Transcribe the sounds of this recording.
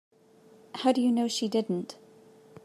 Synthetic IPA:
haʊdɨjɨnoʊʃidɪdⁿn̩t

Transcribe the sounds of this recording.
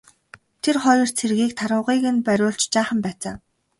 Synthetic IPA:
t̪ʰerχɔjɞ̆r̥t͡sʰerɣiːkt̪ʰaɾʊːʁiːɣɘ̆npæɾʲʊːɮt͡ɕt͡ɕaːχə̆mpæːt͡saː

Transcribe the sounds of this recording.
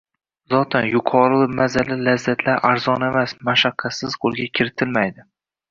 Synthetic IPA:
zɒt̪ʰanjʊqʰɒɾɪmazalɪlazːat̪ʰlaɾʔaɾzɒnemasmaʃaqʰːɑsɪz̥qʰolˠɡʲakʲʰɪɾɪt̪ʰɪlmajd̪ɪ

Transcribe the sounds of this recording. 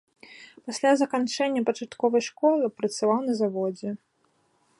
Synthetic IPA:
pasʲlʲazɐkant͡ʂɛnʲːɐpɐt͡ʂat̪kɔvɐjʂkɔlˠɨpɾɐt̪savawnɐzavɔd͡zʲɛ

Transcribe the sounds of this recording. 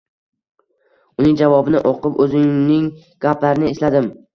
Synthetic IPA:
ʊnɪŋd͡ʒavɒbɪnɪʔɒqɨpɵzɪŋnɪŋ | ɡ̥ʲaplaɾɪnɪeslad̪ɪm

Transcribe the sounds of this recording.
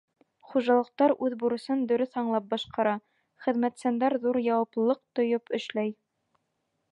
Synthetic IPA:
χuʒɑlˠɤ̆q̚t̪ɑɾʉðbuɾɤ̆sɤnd̪ɵ̆ɾɵθɑɴlˠɑp̚bɑʃqɑɾɑ | χɘ̆ðmæt̪sænd̪æɾðuɾjɑwɑplɤlˠɤq̚t̪ŏjɤpɵ̆ʃlæj

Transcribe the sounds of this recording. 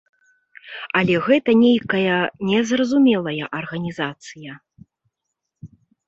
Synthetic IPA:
ɐlʲɛɣɛt̪ɐnʲejkɐjɐnʲɛzrɐzumʲɛlˠɐjɐʔɐrɣɐnʲizat̪sɨjɐ

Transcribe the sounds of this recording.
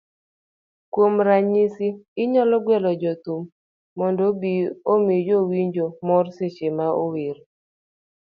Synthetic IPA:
kwomɾaɲisiɪɲɔlɔɡwɛlɔd͡ʒɔt̪umː | ɔndobiomid͡ʒowiɲd͡ʒomɔrset͡ʃemaʔoweɾo

